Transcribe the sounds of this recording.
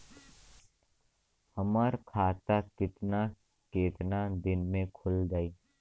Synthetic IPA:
həmaɾkʰaːt̪akɪt̪na | keːt̪nad̪ɪnmẽkʰʊld͡ʒaːiː

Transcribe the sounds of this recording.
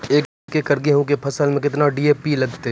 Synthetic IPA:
eːk | kekɐɾɡeɦũk̬epʰɐsəlmẽkɪt̪naɖiːeːpilɐɡt̪e

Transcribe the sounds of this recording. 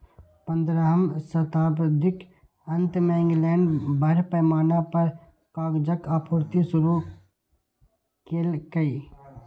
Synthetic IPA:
pə̃nd̪ɾəɦəmsɐt̪aːbɾd̪ʱɪk | ɐ̃nt̪mẽːŋɡlɛːɳɖbʱɐɾpəːmaːnapɐɾ | kaːɡd͡ʒəkapʰʊːɾt̪isʊɾu | keːlkɐiː

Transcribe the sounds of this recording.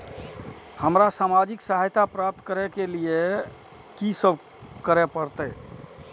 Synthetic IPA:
həmɾasamad͡ʒiksəɦajt̪apɾap̚t̪kəɾɛkelie | kisəbʱ | kəɾɛpəɾt̪əj

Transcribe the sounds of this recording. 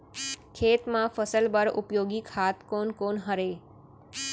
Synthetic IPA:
kʰeːt̪mãfəsəlbəɾṵpjoːɡikʰhat̪konkonɦəɾe

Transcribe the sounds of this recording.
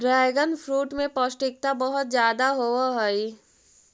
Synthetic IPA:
ɖɾɛːɡənfʰɾuːʈmẽpɔːsʈɪk̚t̪abɐɦʊt̪zjaːd̪aɦoaɦɐi

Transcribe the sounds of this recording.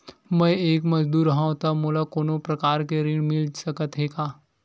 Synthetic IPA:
mɛ̃eːkmɐd͡ʒd̪uːɾɦãõt̪amoːlakoːnõpɾɐkaːɾkeɾĩɽmɪlsɐkət̪ɦeːɡaː

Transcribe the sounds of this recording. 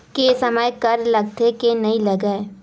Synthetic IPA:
kesɐməjkɐɾlɐɡ̚t̪ʰekenɐɦĩlɐɡae

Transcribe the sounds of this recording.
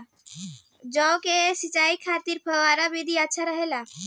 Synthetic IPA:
d͡ʒɔːkesɪt͡ʃaːikʰaːt̪iɾpʰəʋaːɾabid̪ʱiətːʃʰaɾəɦela

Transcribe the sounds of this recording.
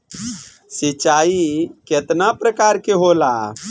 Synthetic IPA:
sit͡ʃaiket̪napɾəkaɾkeɦola

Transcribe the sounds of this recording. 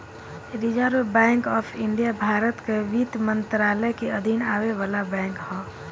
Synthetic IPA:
ɾid͡ʒaːɾobɛ̃ːŋkɔːpʰɪɳɖijabʱaːɾət̪keʋit̪mə̃nt̪ɾaːləjkiɐd̪ʱinaːweʋaːlabɛ̃ːŋkhɔ̃ː

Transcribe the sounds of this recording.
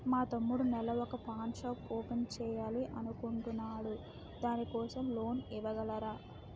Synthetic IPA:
maːt̪ɐmːuɽunɛlɐɔkɐpaːnʃaːpoːpent͡ʃɛːjaːliʔɐnukuɳʈunːaːɽu | d̪aːnikɔːsɐmlo̞ːniʋɐɡɐlɐɾaː

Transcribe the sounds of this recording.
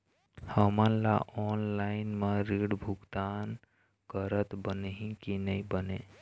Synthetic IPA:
həmənla̰ʔɔːnlaːɪnmẽɾiːɽbʱʊɡt̪aːn | kəɾət̪bənĩkinɐĩbəneː

